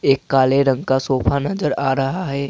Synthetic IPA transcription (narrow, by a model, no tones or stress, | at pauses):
eːkːaːleɾə̃ŋɡkasoːpʰanɐd͡ʒəɾaːɾɐɦaɦɛː